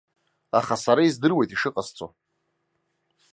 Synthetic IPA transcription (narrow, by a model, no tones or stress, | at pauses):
aχasaɾaizdɨrwe̞jtʼiʂɨqʼast͡sʼo